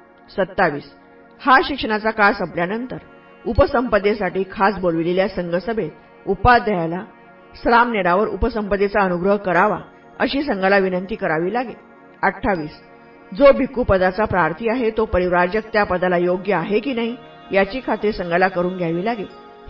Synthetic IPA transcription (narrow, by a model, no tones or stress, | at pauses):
sət̪ːaʋiːs | haɕikʂəɳ̃at͡sakasəpljanənt̪əɾ | upəsəmpəd̪esaʈiːkʰasbolʋileljasəŋɡəsəbʱet̪ | upad̪əjala | sɾamneɽaʋəɾṵpəsəmpəd̪et͡saənuɡɾəɦkəɾaʋa̰ | ə̰ɕiːsəŋɡalaʋinənt̪iːkəɾaʋiːlaɡe | əʈʰːaʋiːs | d͡zobʱikːupəd̪at͡sapɾaɾt̪ʰiːaɦet̪opəɾiʋɾaɾd͡ʑək̚t̪japəd̪alajoɡjəaɦekiːnaɦiː | jat͡ɕiːkʰat̪ɾisəŋɡəlakəɾuːnɡʱjaʋiːlaɡe